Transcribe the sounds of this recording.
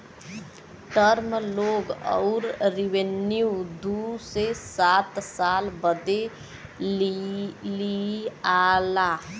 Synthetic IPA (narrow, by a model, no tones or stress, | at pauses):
ʈəɾmloːɡɔ̰ʊɾɾiʋenjud̪usesaːt̪saːlbəd̪e | lialaː